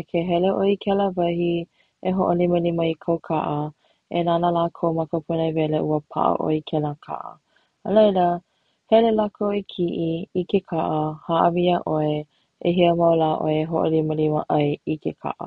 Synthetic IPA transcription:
kʰeɦɛleʔoikʰɛləvɐhi | eɦoʔoliməliməikʰɐwkʰaʔə | enanəlaːkʰowmakəpʰunəjvɛleʔuəpʰa̰ʔə̰ʔo̰ikʰɛlakʰa̰ʔə̰ | əlejlə | hɛlelakʰoikʰiʔiikekʰaʔəhaʔəviəʔoe | eɦiəmɐwlaːʔo̰eeɦo̰ʔo̰liməlimə̰ʔɐjikʰekʰa̰ʔə̰

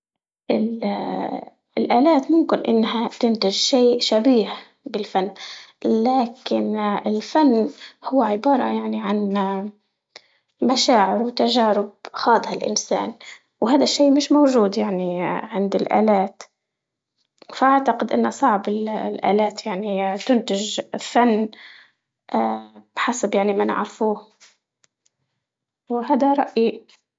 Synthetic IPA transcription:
ʔɪl | ɪlʔaːlaːt̪mʊmkɪnʔɪ̰nːɦat̪ɪnt̪ɪʒʃeːʃabiːh | bɪlfanːlaːkɪnɪlfanːhʊwːaʕɪbɑːɾˤɑ̰jaʕniʕan | maʃaːʕɪɾwɪt̪aʒaːɾɪb̚xɑːd̪ˤhalʔɪ̰nsa̰ːn | whaːd̪aʃːiːʔmɪʃmowʒuːd̪jaʕniʕɪnd̪ɪlʔa̰ːlaːt̪ | faʔaʕt̪aqɪd̪ʔɪ̰nːasˤɑʕbɪllʔa̰ːlaːt̪jaʕnit̪ʊnt̪ɪʒfanː | ʔbħasabjaʕnimɪnʕa̰ɾfuːh | wɦaːd̪aɾˤɑʔji

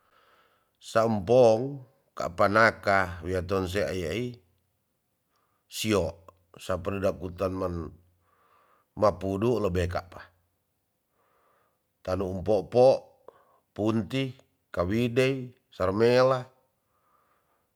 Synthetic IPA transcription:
saumpɔŋ | ka̰ʔpanakawiat̪ɔns̬ɛa̰jai | siɔʔ | saparidakut̪anman | mapuduʔləbɛka̰ʔpḁ | t̪anuumpɔʔpɔʔ | punt̪i | kawidei | sarmela

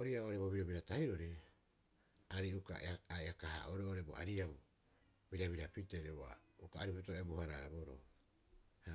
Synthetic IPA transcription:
oɾiaooɾeboβiɾobiɾatahiɾo̞ɾe | aɾiuka̰eaeakaha̰ʔoɾeoɾebo̰a̰ɾiau | biɾaβiɾapiteɾeua̰ukaːɾipitoeabohaɾaboɾo̰ | ha

